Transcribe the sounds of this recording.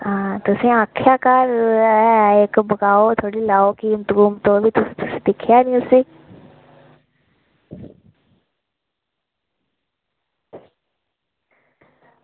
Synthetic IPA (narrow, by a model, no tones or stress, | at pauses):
ãːt̪ʊsĩːaːkʰːjaːkəɾɛeːkbəɡaːoːt̪ʰoːɽiːlaːoːkint̪ɡuːmt̪õːbʱiːt̪ʊsĩ̥t̪ʊsĩːd̪ɪkʰjaːnĩʊsĩː